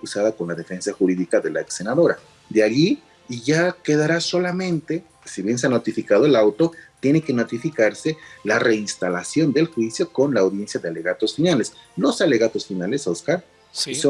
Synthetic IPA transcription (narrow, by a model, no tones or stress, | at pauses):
kusaðako̞nlaðe̞fe̞nsaxuɾiðikaðe̞laekse̞naðo̞ɾa | d̪eaʝiː | ʝake̞ðaɾaso̞lamẽ̞nt̪e̞ | siβje̞ns̬eanot̪ifikað̞oe̞lawt̪o̞t̪je̞ne̞ke̞no̞t̪ifikaɾse̞lare̞inst̪alasjo̞nd̪e̞lxwisjo̞ko̞nlaːwðje̞nsjaðeale̞ɣat̪o̞sfinale̞slo̞sale̞ɣat̪o̞sfinale̞soskaɾ | so